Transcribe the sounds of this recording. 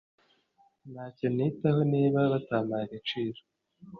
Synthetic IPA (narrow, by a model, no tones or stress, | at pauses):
naːcenitahoniːβaβataːmaɡit͡ʃiːɾo̥